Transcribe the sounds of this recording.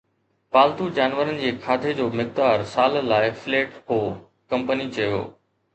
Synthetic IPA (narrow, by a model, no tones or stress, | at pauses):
paːlt̪ud͡ʑaːnʋəɾənɪ̆d͡ʑeːkʰaːt̪ʰed͡ʑoːmɪk̚d̪aːɾsaːllaːɪfleːʈɦoː | kɐ̃mpənit͡ɕɐjo̰ː